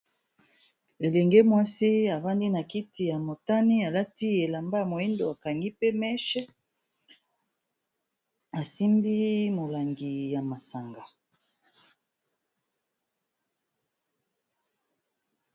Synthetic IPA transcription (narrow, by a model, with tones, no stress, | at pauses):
e˨lɛ˨ŋɡe˦mwa˦si˦a˨va˦ndi˦na˨ki˦ti˨ja˨mo˨ta˦ni˦a˨la˦ti˦e˨la˨mba˦˨mo˨e˦ndo˨a˨ka˨ŋɡi˦pe˦mɛ˦ʃɛ˦ | a˨si˦mbi˦mo˨la˨ŋɡi˨ja˨ma˨sa˨ŋɡa˨